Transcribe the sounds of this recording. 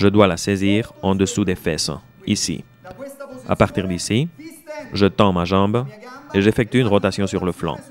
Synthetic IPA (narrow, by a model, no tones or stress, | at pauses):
ʒəd̪walaseziːʁɑ̃d̪əsud̪efɛs | isḭ | a̰paʁt̪iʁd̪isi | ʒət̪ɑ̃maʒɑ̃beʒefɛk̚t̪yynʁɔt̪asjɔ̃syʁləflɑ̰̃